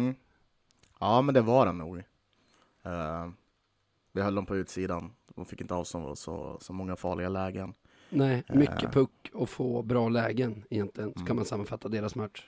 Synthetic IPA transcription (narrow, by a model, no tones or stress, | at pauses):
m̩ | ɑːmɛnd̪ɛvaɖɛnːuːɡ | vɪhœlːd̪ɔmpʰɔʉ̟ːt̪siːd̪and̪ɔmfɪkːɪnt̪əɑːvsɔ̰sɔ̰sɔmɔŋːafɑːɭɪɡalɛːɡən | nɛːmʏkːəpʰɵkːɔfoːbɾɑːlɛːɡənɪjɛnt̪ʰlɪɡənsɔkʰanmansamːanfat̪ːad̪eːɾasmœʈː